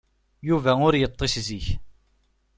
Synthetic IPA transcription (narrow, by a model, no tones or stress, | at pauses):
juvæʊɾjət̪ˤːeʃziç